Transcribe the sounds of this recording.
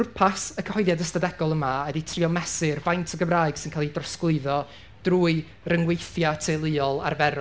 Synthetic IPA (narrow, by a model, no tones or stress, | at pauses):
pʰasəkʰəhɔɨðjadəstadɛɡɔlˠəmaɛditʰriɔmɛsɨrvajntʰəɡəmraːɨɡ̥sɪnkʰaːlˠidrɔsklˠɨɨðɔ | d̥ruːɨ | rəŋwejθjatʰelˠɨɔlˠa̰rvɛɾɔ